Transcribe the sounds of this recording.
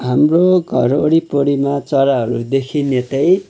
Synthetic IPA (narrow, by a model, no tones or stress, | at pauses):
ɦamroɡʱʌ̰ɾoɽipoɽimat͡sʌɾaɦʌɾud̪ekʰinet̪ʌj